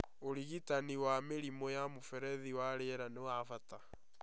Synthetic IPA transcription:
oɾiɣitaniwameɾimɔjamofɛɾɛðiwaɾeɾanewafata

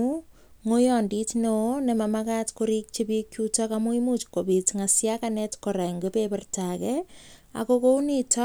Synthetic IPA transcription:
u | ŋojɔnditnonemamakatkoɾik̚t͡ʃebikːjutakamuimut͡ʃkobitŋasjakanɛtkoɾaŋɡepepɛrtakɛa̰kokownitɔ

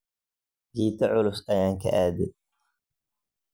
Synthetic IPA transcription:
d͡ʒiːt̪ʰɐʕʊlʊsɐjaːŋkʰɐ̰ʔaːd̪ɪ

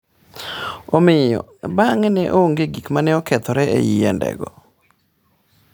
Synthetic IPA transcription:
omɪjɔ̰baŋnɛʔooŋɡeɡikmanɛɔkɛt̪ɔɾɛḛjiandɛ̰ɡɔ

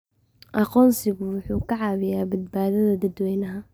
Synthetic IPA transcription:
ʔɑqɔːnsɪɣʊwʊħuːkʰɐʕɑːβɪjaːbɐd̪̚baːðɐðɐd̪ɐd̪wɛjnɐɦɐ

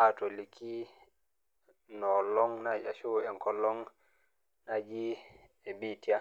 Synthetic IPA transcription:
atɔlikʰi | nɔlɔŋnad͡ʒa̰ʃoɛŋkɔlɔŋ | nad͡ʒi | ɛbitia

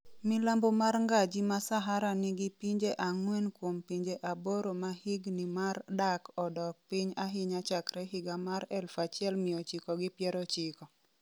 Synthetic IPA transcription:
milambomarŋɡad͡ʒimasaɦaɾanɪɡipiɲd͡ʒeʔaŋwɛnkwompiɲd͡ʒeʔaboɾomahɪɡnimardakɔdɔk̚pɪɲaɦɪɲat͡ʃakɾɛɦɪɡamaɾɛlfat͡ʃjɛlmɪjɔt͡ʃikɔɡɪpjɛɾɔt͡ʃɪkɔ

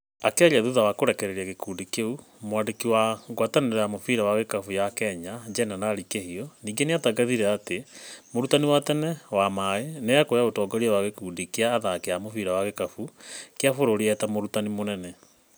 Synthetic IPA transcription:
akaʎaðuðawakoɾɛkɛɾɛɾiaɣekuːndikeu | mwaːndekiwaŋɡwataneɾaamofiɾawaɣekafujakɛɲad͡ʑɛnanaɾikehiɔniːɡeneataɡaðiɾɛatemoɾutaniwatɛnɛwamaeneakojaotɔːɡɔɾiawaɣekuːndikeaːðakejamofiɾawaɣekafukeafoɾoɾiɛtamoɾutanimonɛnɛ

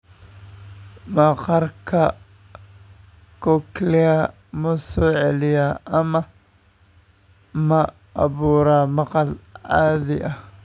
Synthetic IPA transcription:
mɑqɑrkʰɐ | kʰɔklɛɐ | mɐsɔːʕɛlɪjaːɐmɐ | mɐ | ʔɑ̰βuːɾaːmɑqɑlʕaːðɪʔɐh

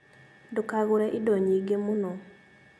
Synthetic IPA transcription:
dʊkaɡʊɾɛʔidɔɲiɡemʊnɔ

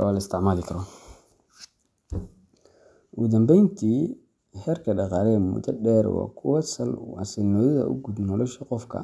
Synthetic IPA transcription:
ɔ̰lɐɪst̪ʰɪʕmaːlɪkʰɐɾɔ | ʔɣʊd̪ɐmbɛjnt̪ʰiː | hɛːrkʰɐɖɑqɑːɾɛmʊ̰d̪ɐɖɛːɾwɑ̰ːkʰʊwɐsɐlɐ̰sɪnɔːðɐðɐ̰ʔʊ̰ɡud̪nɔlɔʃɐqɔfkʰɐ̰

